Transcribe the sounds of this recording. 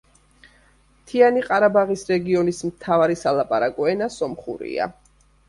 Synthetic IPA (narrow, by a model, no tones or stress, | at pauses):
t̪ʰianiqʼaɾabaʁisɾɛɡiɔnismt̪ʰavaɾisalˠapʼaɾakʼɔɛnasɔmχṵɾḭa̰